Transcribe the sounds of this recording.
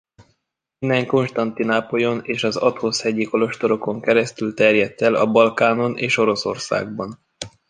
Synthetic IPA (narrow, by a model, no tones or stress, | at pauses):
ind̪ɛŋko̞nʃt̪ɒnt̪inaːpo̞jo̞neːʃɒzɒt̪hoshɛɟiko̞lo̞ʃt̪o̞ɾo̞ko̞ŋkɛɾɛst̪ylt̪ɛrjɛt̪ːɛlɒ̰bɒlkaːno̞nʔeːʃo̞ɾo̞so̞rsa̰ːɡ̚bɒn